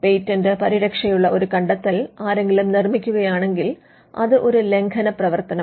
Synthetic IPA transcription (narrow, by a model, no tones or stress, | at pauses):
pejtːɐndɨpɐɾiɾɐkʂɐjuɭːɐʔo̞ɾukɐɳɖɐt̪ːɐlaːɾe̞ŋɡilumnirmikʲːuɣɐjaːɳe̞ŋɡil | ɐ̰ðɨʔo̞ɾule̞ŋkʰɐnɐprɐʋɐrt̪ɐnɐ